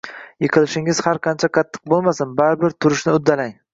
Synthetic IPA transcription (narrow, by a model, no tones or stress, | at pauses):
jɪqʰɨlɪʃɪŋɪz̥haɾqʰɑnt͡ʃʰaqʰɑt̪ʰːɨ̥q̚bolˠmasɪnbaɾɪbɪɾt̪ʰʊɾɪʃnɪʊd̪ːalaŋ